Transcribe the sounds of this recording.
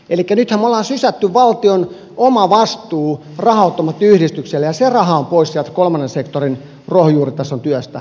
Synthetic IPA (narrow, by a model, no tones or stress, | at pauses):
elikːænyt̪hæmːolːˑɑːnsysæt̪ːyʋʋɑlt̪ion | omɑʋɑst̪uː | rɑhɑot̪ːomɑt̪ːyhɾist̪ykselːejɑserɑhɑompoissiælt̪kolmɑnːensekt̪orin | rohjuːrit̪æsːont̪yøst̪æ̰